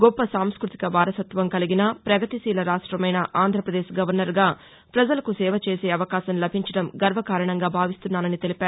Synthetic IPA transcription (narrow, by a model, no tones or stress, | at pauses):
ɡɔpːɐsaːmskɾut̪i̥kɐʋaːɾɐsɐt̪ʋɐmkɐliɡinɐpɾɐɡɐt̪isiːlɐɾaːʂʈɾɐmɐjnɐʔaːnd̪ʱɾɐpɾɐd̪eːʃɡɐʋɐɾnɐɾɡaː | pɾɐd͡ʒɐlɐkusɛːʋɐt͡ʃeːseːɐʋɐkaːʃɐmlɐbʱiɲt͡ʃɐɽɐmɡɐɾʋɐkaːɾɐɳɐŋɡaːbʱaːʋist̪unːaːnɐnit̪e̞lipaːɾ